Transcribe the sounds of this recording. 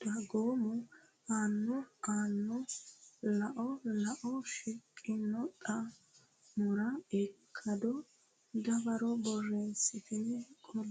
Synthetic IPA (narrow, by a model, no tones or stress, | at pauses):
ɐɡoːmʊ | aːnːɔaːnːɔ | lɐʔɔlɐʔɔʃɪkʼːɪnːɔt̪ʼɐ | mʊɾɐɛkʰːɐd̪ɔ | ɡ̪ɐbɐɾɔbɔrːeːsːɪt̪ɪnkʼɔl